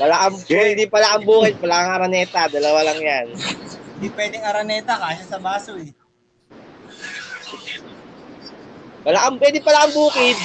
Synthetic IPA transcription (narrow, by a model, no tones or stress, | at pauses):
pɐlaʔɐŋpwɛːd̪ɪpɐlaʔɐŋbuːkɪd̪̚pɐlaʔɐŋʔɐɾɐnɛːt̪ad̪ɐlɐwalɐŋjanhɪnd̪ipwɛːd̪ɪŋɐɾɐnɛːt̪ɐkaːʃasɐbaːsoɛ | pɐlaʔɐmpwɛːd̪ɪpɐlaʔɐŋbuːkɪd̪̚